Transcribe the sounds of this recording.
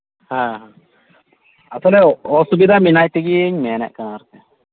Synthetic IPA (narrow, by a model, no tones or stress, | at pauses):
hãɦã | at̪ɔlɛɔsubid̪ʱaminajt̪eɡiɲmɛnɛ̰ʔkanaːɾt̪ɛ